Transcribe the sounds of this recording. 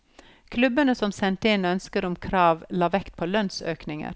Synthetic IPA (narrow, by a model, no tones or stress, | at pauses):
kʰlʉbənəsɔmsɛnt̪əɪnœnskəɾʊmkʰɾɑːʋlɑːʋɛkt̪̚pʰoːlœnsø̰ːknɪŋə̰ɾ